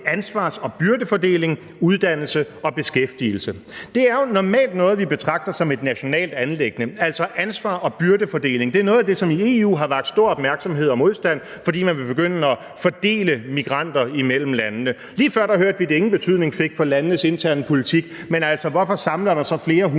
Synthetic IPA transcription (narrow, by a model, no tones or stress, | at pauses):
ænsʋɑ̰̈ːsɒ̽b̥yɐd̥əfɒ̽d̥e̝̰ːle̝ŋ | uð̞ˠd̥æn̰l̩sə | ɒ̽b̥e̝sɡ̥efd̥il̩səd̥e̝æɐjo̝nɒmɛ̰ːld̥nɔ̽ːð̞̩ˠʋib̥e̝t͡sʰʁɑ̈ɡ̥̚d̥ɐsɒ̽me̝d̥næɕo̝nɛ̰ːld̥ænleɡ̥ənəæl̰sɒ̽ʔænsʋɑ̰̈ːʔɒ̽b̥yɐd̥əfɒ̽d̥e̝̰ːle̝ŋd̥e̝æɐnɔ̽ːð̩ˠæde̝sɒ̽mie̝ṵːɦɑ̈ʋɑ̈ɡ̥̚d̥sd̥o̝ɐ̰ɒ̽b̥mæɐɡ̥sɒ̽mɦe̝ð̞̰ˠɒ̽mo̝ðˠsd̥æn̰ | fɒ̽d̥ḭːmænʋe̝b̥e̝ɡ̥øn̰əɒ̽ | fɒd̥e̝̰ːləmiɡ̥ʁɑ̈n̰d̥ɐimel̰m̩lænnə | liːfɶɐ̰̥ɑ̈høɐd̥ʋid̥ee̝ŋn̩b̥e̝t͡sʰyð̞̰ˠne̝ŋfe̝ɡ̥fɒ̽lænənəse̝nt͡sʰæɐnəpʰo̝lit͡sʰiɡ̥ | menæl̰sɒʋɒfɒ̽sɑ̈mləɐɾ̥ɑsɒ̽fle̝ːɐɦ